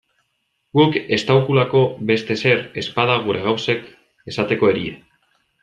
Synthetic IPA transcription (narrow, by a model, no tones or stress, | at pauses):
ɡuke̞st̪awkulako̞βe̞st̪e̞se̞ɾe̞spað̞aɣ̞uɾe̞ɣawse̞k | e̞sat̪e̞ko̞e̞ɾiḛ